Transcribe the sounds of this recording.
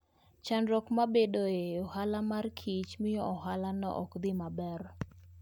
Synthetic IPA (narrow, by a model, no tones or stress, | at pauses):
t͡ʃanɾɔkmabedoeɔhalamarkʰit͡ʃmɪjɔɔɦalanɔ̰ʔɔkd̪ɪmabɛr